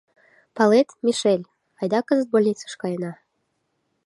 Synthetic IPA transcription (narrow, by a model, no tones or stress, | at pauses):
pɑlet̪mʲiʃelʲ | ɑjd̪ɑkɤzə̆t̪̚bolʲnʲit͡sə̥ʃkɑjɤ̆nɑ